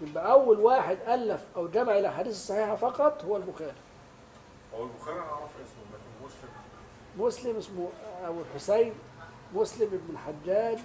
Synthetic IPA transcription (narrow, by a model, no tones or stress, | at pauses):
jembæʔæwːælwaːħed̪ʔælːæfʔæwɡæmaʕʔɪlæħaːd̪iːsɑsˤːɑħiːħafɑqɑt̪ˤhowːælbʊxæːɾi | ʔæwælbʊxæːɾiɑʕɾˤfʔsmæmoslm | moslɪmʔɪsmoʔæwelħosæjn | moslɪmʔɪbnɪlħad͡ʒːæːd̪